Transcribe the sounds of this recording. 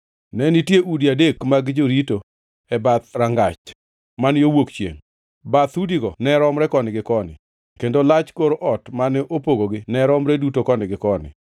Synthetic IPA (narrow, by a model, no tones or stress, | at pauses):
nɛnitjeʔudiadekmaɡd͡ʒoɾito | ɛbat̪ɾaŋɡat͡ʃ | manjowokt͡ʃjḛŋ | bat̪udiɡɔnɛɾɔmɾɛkɔnɪɡɪkɔnɪ̰ | kendolat͡ʃkoɾoʔɔtmanɛʔopoɡoɡɪnɛɾɔmɾɛdutokɔnɪɡɪkɔnɪ̰